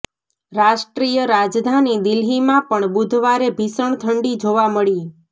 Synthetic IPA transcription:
ɾaʃʈɾijəɾad͡ʒd̪ʱanid̪ɪlɦimãpəɳbud̪ʱʋaɾebʱisəɳt̪ʰəɳɖid͡ʒoʋaməɭi

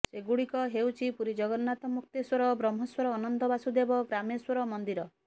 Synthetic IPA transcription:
seɡuɽikɔɦewt͡ʃʰipuɾid͡ʒɔɡɔnnat̪ɔmuk̚t̪eswɔɾɔbɾɔmɦɔswɔɾɔːnɔnd̪ɔbasud̪ebɔɡɾameswɔɾɔmɔnd̪iɾɔ

